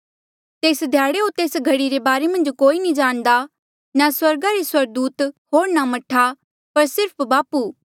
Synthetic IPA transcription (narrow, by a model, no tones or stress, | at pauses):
t̪eːsd̪ʱjaːɽeɦot̪eːsɡʱɐɽiɾebaːɾemɐ̃nd͡ʒkoːinĩd͡ʒaːɽ̃d̪a | naswɐɾɡaɾeswɐɾɡ̚d̪uːt̪ɦoːɾnamɐʈʰa | pɐɾsɪɾpʰbaːpuː